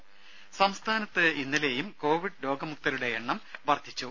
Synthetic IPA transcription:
sɐmst̪ʰaːnɐt̪ːɨinːɐle̞ːjumko̞ːʋiɖlo̞ːɡɐmuk̚t̪ɐɾuɽe̞eɳːɐmʋɐrd̪ʱːit͡ɕːu

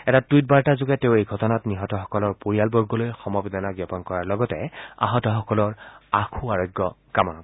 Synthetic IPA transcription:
ɛtatwit̚baɹtazʊɡɛteʊejɡʱɔtɔnatniɦɔtɔxɔ̥kɔlɔɹpoɹijalbɔɹɡɔlojxɔmɔbid̪ʱanaɡapɔnkɔɹaɹlɔɡɔtɛ̰a̰ɦɔtɔxɔkɔlɔɹakʰuaɹɔjɡːɔkamɔnɔɡ

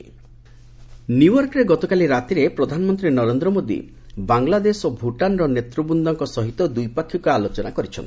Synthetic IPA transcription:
nuwɔɾkɾeɡɔt̪ɔkaliɾat̪iɾepɾɔd̪ʱanɔmɔnt̪ɾinɔɾend̪ɾɔmod̪ḭ | baŋlad̪esobʱuʈanɾɔnet̪ɾubund̪ɔŋkɔsɔɦit̪ɔd̪ujpakʰːjɔkualot͡ʃɔnakɔɾit͡ʃʰɔ̰nt̪

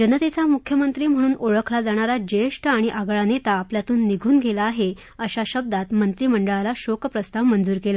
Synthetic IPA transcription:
d͡ʑənət̪et͡samukʰjəmənt̪ɾiːm̤əɽ̃uːnoɭəkʰlad͡zaɽ̃aɾad͡ʑeʂʈəaɽ̃iʔaɡɭanet̪aːpljat̪uːnːiɡʱuːnɡʱelaːɦe | əɕaɕəb̚d̪at̪mənt̪ɾiːməɳɖəɭalaɕokpɾəst̪ʰaʋmənd͡zuːɾkela

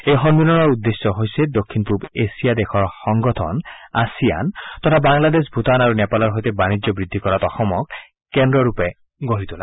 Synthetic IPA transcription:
ejxɔnbinɔnɔɹud̪ːesjɔɦojsɛd̪okʰːinpubesijad̪ɛxʰɔɹxɔŋɡɔtʰɔ̰na̰sija̰nt̪ɔt̪ʰabaŋlad̪esbʱut̪anaɹunɛpalɔɹɦojt̪ɛbanid͡ʒɔbɹid̪ʱːikɔɹat̪ɔxɔmɔk | kːɛndɹɔɹupɛ | ɡoɹit̪ula

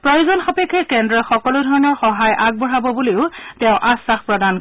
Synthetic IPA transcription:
pɹɔjozɔnxɔpekʰːɛkɛndɹɔxɔkɔludʱɔɹɔnɔɹxɔɦajʔaɡ̚bɔɹabɔbuleʊtɛʊ̃ʔasːaxpɹɔdan

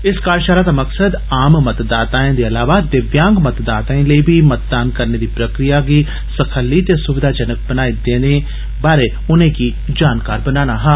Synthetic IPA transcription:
ɪskaːɾʃaːɾaːd̪aːməksəd̪ | aːmmət̪d̪aːt̪aːẽːd̪eːəlaːʋaːd̪ɪʋjãːŋɡmət̪d̪aːt̪aːẽːləiːbʱiːmət̪̚d̪aːnkəɾneːd̪iːpɾəkɾijaːɡiː | səkʰəlːiːt̪esʊʋɪd̪ʱaːd͡ʒənək̚bənaːid̪ẽːd̪ẽː | baːɾeː | ʊnẽːkiː | d͡ʒaːnkaːɾbənaːnaːɦãː

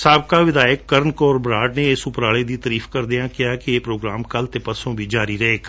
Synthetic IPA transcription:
saːbkaːʋɪd̪aːjəkːəɾnkɔːɾbɾaːɖneɪsʊpɾaːɭeːd̪iːt̪əɾiːfkəɾd̪ɪjãːkɪjaːkɪeːpɾoːɡɾaːmkəlt̪epəsõːbʱiːd͡ʒaːɾiːɾɐɦeːk

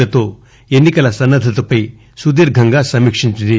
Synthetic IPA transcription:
ɐt̪o | enːikɐlasɐnːɐd̪ʱɐt̪ɐpɐj | sud̪iɾɡʱɐŋɡasɐmikʂiɲt̪id̪i

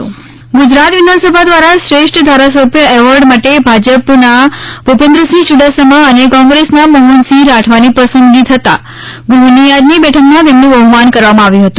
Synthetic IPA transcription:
ɡud͡ʒɾat̪ʋid̪ʱãnsəbʱad̪ʋaɾaʃɾeʂʈʰd̪ʱaɾas̬əbʱjəɛʋəɾɖmaʈebʱad͡ʒəpnabʱupẽnd̪ɾəsĩʃuɖasəməənekɔ̃ŋɡɾesnaməɦunsĩɾaʈʰʋanipəsənɡ̪it̪ʰət̪a̰ | ɡɾunijad̪nibɛʈʰəkmãt̪emnũəʋmankəɾʋamãaʋjũɦət̪ũ

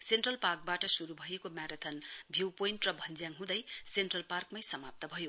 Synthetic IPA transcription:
senʈrʌlpark̚baʈʌsuɾubʱʌjekomjaɾʌt̪ʰʌnbʱjiwpoinʈrʌbʱʌnd͡zjaŋɦũd̪ʌjsenʈrʌlparkmajsʌmap̚t̪ʌbʱʌjo

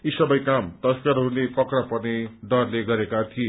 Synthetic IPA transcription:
isʌbʌjkamt̪ʌskʌɾɦunepʌkrʌpʌrneɖʌrleɡʌɾekat̪ʰie

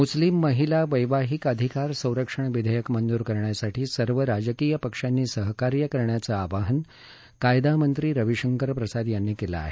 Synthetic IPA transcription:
muslimːəɦilaʋəjʋaɦikəd̪ʱikaɾsə̃w̃ɾəkʂəɳ̃ʋid̪ʱəjəkmənd̪uːɾkəɾɳjasaʈiːsəɾʋəɾad͡zəkijəpəkʂanːiːsəɦkaɾjəkəɾɳjat͡saːʋaɦən | kajd̪amənt̪ɾiːɾəʋiʂəŋkəɾpɾəsad̪janːiːkela̰ːɦe

